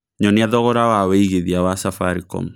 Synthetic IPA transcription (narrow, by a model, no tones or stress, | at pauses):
ɲɔniaðɔɣɔɾawaweiɣeðiawasafaɾikɔ̰mu